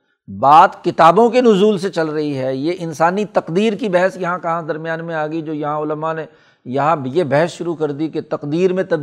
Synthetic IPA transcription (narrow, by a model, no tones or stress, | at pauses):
baːt̪kɪt̪aːbõkenʊzuːlset͡ʃɐlɾɐɦiɦɛːjeʔɪnsaːnit̪ɐqd̪iːɾkibɛɦəsjɐɦãkɐɦãd̪ɐɾmjaːnmẽaːɡəid͡ʒoːjɐɦãʊləmane | jɐɦãjebɛɦəsʃʊɾukɐɾd̪iket̪ɐqd̪iːɾmẽt̪ɐb